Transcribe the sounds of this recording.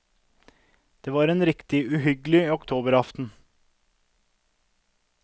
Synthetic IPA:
d̪̥eːʋɑːɾeːnɾɪkt̪ɪʉɦʏɡlɪiːɔkt̪ʰoːbəɾɑft̪n̩

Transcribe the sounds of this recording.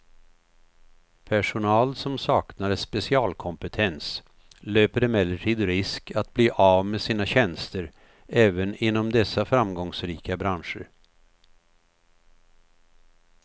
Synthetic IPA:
pʰæʂʊnɑːlsɔmsɑːknaɾəspɛsɪɑːlkʰɔmpət̪ʰɛns | løːpəɖɛmɛlːəʈʰiːd̪ɾɪskat̪̚bliːʔɑːvmesiːnaɕɛnst̪əɾ | ɛːvənɪnːɔmd̪ɛsːafɾamɡɔŋsɾiːkabɾanʂə̰ɾ

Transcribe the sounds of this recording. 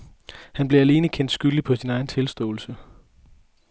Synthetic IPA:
hænb̥le̝æle̝ːnəkʰen̰d̥sɡ̥yld̥ipʰɒ̽sinɑ̈ɪn̩t͡sʰe̝lsd̥ɔ̰̽ːl̩sə

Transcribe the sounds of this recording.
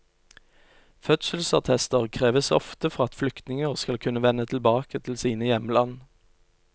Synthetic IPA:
fœt̪sl̩sɑʁt̪ʰɛst̪əʁkʰʁeːʋəsɔ̰ft̪əfɔʁɑt̪flʏkt̪nɪŋəʁskɑlkʰʉnəʋɛnət̪ʰl̩bɑːkət̪ʰɪl̩siːnəjɛməlɑn

